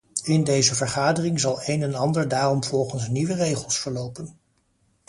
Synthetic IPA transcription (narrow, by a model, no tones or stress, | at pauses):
ɪndejzəvəɹχaːdərɪŋzɑlˠejnɛnɑndəɹdaːrɔmv̥ɔlˠχənsniʋərejχəlˠsfəɹlowpən